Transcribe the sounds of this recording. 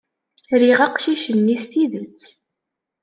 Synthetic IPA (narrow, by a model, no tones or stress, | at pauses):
ɾiʁɑqʃiʃənːist̪iðət͡sː